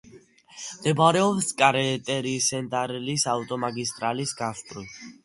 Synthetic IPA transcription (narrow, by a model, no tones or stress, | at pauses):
d̪̥ɛbaɾɛɔpskʼaɾɛt̪ʼɛɾisɛnd̪aɾlisaut̪ʼɔmaɡist̪ʼɾalisɡasp̪ʼɾit̪ʰ